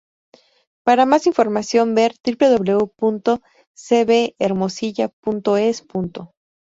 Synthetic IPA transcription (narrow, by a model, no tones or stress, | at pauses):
paɾamasiɱfo̞ɾmasjo̞mbe̞ɾt̪ɾiple̞ðo̞βle̞upunt̪o̞ | seβeːɾmo̞siʝap̚unt̪o̞espunt̪o̞